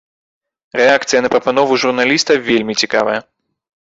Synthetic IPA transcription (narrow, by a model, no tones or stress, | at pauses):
ɾɛakt̪sɨjɐnɐpɾɐpanɔvuʐurnalʲist̪ɐvʲelʲmʲit͡sʲika̰vɐjɐ